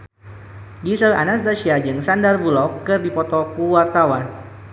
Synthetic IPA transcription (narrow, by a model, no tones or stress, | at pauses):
ɡisəla̰nasd̪aʃiad͡ʒɨŋsandarbulɔkːɨrdipɔt̪ɔkuwart̪awan